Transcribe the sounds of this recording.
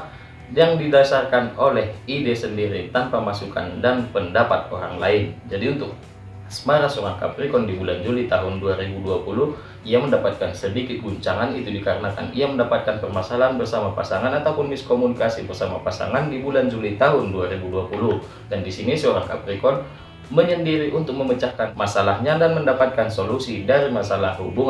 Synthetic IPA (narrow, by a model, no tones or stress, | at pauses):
jaŋdidasarkanolɛhidesəndiɾit̪anpamasuka̰ndanpəndapat̪̚oɾa̰ŋlaɪnd͡ʒadiunt̪ʊk̚ | smaɾasoɾaŋka̰pɾikɔndibuland͡ʒulit̪aɦʊnduaɾibuduapulʊh | ijaməndapat̪̚kansədikɪt̪̚ɡuɲt͡ʃaŋanit̪udikaɾənaka̰niaməndapat̪̚kanpərmasalaɦanbərsamapasaŋanat̪apʊnbɪskomunikasibərsamapasa̰ŋandibuland͡ʒulit̪aɦʊnduaɾibudapulʊh | dandisinisəoɾaŋka̰pɾikɔn | məɲandiɾiʔunt̪ʊk̚məmət͡ʃakːanmasalahɲadanməndapat̪̚kansolusidaɾimasalahɦubuŋ